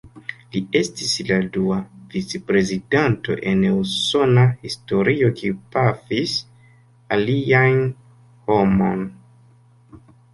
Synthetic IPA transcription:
lie̞stisladuavit͡sepɾe̞zidanto̞̰ʔe̞neuso̞nahisto̞ɾio̞kʰiupafis | alian | ho̞mo̞̰n

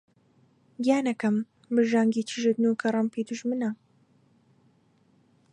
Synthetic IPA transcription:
ɡjaːnɐkɐm | bɨʒaːŋɡiːt͡ʃʰiʒɨd̪nukʰɐrˤɐmpiːd̪uʒmɨnɐ

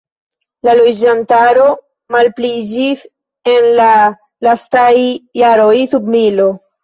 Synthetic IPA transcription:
lalo̞d͡ʒantaɾo̞ | malplid͡ʒis | e̞nla | lastajːaɾojsubmilo̞

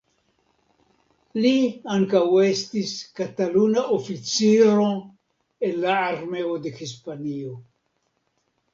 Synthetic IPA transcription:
liaŋkawest̪iskat̪alunaʔofit͡siɾo | enlaːɾmeod̪exispanio

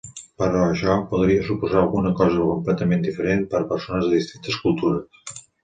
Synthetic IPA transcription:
pəɾɔəʃɔpuðɾiəsupuzaːlˠɣunəkɔzəkumplɛt̪əmend̪ifəɾenpəɾpəɾsonəzðəðist̪int̪əskulˠt̪uɾəs

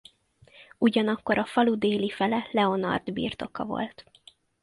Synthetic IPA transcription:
uɟɒnɒkːo̞ɾɒfɒlud̪eːlifɛlɛlɛo̞nɒ̰rd̪bḭːrt̪o̞kɒ̰vo̞̰lt̪

